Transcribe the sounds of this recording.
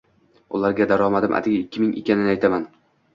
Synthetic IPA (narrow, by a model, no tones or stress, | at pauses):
ʊ̰laɾɡʲad̪aɾɒmad̪ɪmʔa̰t̪ʰɪɡʲaɪkʲːɪmɪŋɪkʲːanɪnajt̪ʰaman